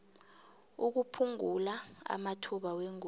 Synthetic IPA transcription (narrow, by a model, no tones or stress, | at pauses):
uk̬upʰuŋulaa̰matʰuɓaweŋ